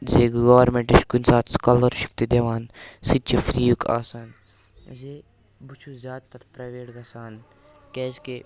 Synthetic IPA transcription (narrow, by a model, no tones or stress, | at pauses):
zeːɡɡɐʋɐɾmeɳʈiʃkunsaːt̪skɐlɐɾʃi̥ft̪id̪eʋaːnsit͡ʃʰefɾiːjukʰa̰ːsaːn | ze | but͡ʃʰuzjaːd̪t̪ɐɾpɾaːʋeːʈɡɐsaːn | kɛːzke